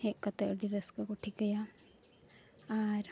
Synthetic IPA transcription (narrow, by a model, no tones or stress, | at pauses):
ekːɐt̪ːeɖiɾɐskɨkuʈʰːikʲːɐja | aːɾ